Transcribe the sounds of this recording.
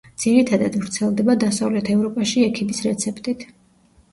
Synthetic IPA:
d̪z̥iɾit̪ʰad̪ad̪vɾt̪sʰɛlˠd̪ɛbad̪asavlɛt̪ʰɛvɾɔpʼaʃiɛkʰimisɾɛt̪sʰɛpʰʼt̪ʼit̪ʰ

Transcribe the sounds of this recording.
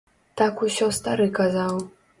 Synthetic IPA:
t̪akuɕɔst̪aɾɨkazaw

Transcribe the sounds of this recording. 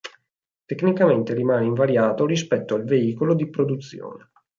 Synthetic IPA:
t̪ekːnikament̪eɾimaːneiɱvaɾjaːt̪oɾispɛt̪ːoalveiːkolod̪ipɾod̪ut̪sːjo̰ːne

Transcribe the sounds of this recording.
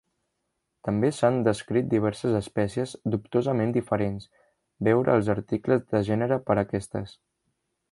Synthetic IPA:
t̪əmbesand̪əskɾit̪̚d̪iβ̞ɛɾsəzəspɛsiəzd̪up̚t̪ozəmend̪ifəɾens | bɛwɾə̰ːlˠzəɾt̪ikləzðəʒɛnəɾəpəɾəkɛst̪ə̰s

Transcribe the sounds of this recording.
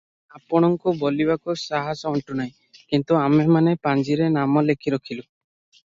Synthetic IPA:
apɔɽ̃ɔŋkubolibakusaɦasɔɔɳʈunaĩ | kint̪uamemanepand͡ʒiɾenamɔlekʰiɾɔkʰilu

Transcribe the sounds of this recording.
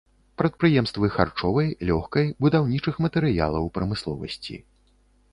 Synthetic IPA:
pɾɐt̪̚pɾɨjɛmst̪vɨxa̰rt͡ʂɔvɐjlʲɔxkɐjbud̪awnʲit͡ʂɨxmɐt̪ɛɾɨja̰lˠɐwpɾɐmɨslˠɔ̰vɐ̰sʲt͡sʲḭ

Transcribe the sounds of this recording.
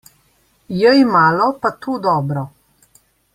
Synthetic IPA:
jəjmaːlɔpat̪uːd̪ɔːbɾɔ

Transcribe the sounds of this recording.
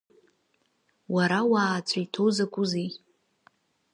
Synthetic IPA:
waɾawaːt͡sʷʰʼajtʰowzakʷʼʊzej

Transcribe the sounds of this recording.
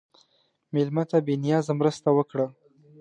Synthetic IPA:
mɪlmat̪abinjɑzamɾəst̪awəkɽa

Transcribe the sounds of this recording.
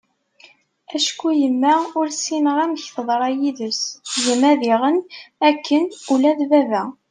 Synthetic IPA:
æʃkujəmːæʊɾsinəʁæməçθəðˤɾˤɑjiðəsjəmæðiʁənækːənulæðvævæ

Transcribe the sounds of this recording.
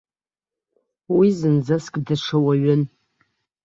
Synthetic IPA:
wizɨnd͡zaskʼdaʂʰawaɥʊn

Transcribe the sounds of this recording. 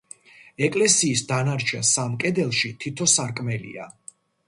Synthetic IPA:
ɛkʼlɛsiːsd̪anaɾt͡ʃʰɛnsamkʼɛd̪ɛlˠʃit̪ʰit̪ʰɔsaɾkʼmɛlḭa̰

